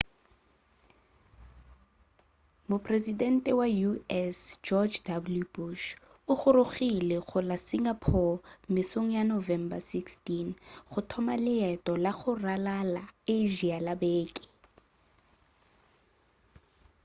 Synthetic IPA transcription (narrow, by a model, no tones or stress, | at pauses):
mʊpʰʼrezidɛn̩tʼɛwajuɛsd͡ʒɔd͡ʒdabuljubuʃ | ʊχʊɾʊɣilɛɣʊlasiŋɡapʰɔmɪsoŋ̩janovɛmbasikstinχʊtʰɔmalɪɛtʼɔlaɣʊralalaeʒialabeːkʼɪ̥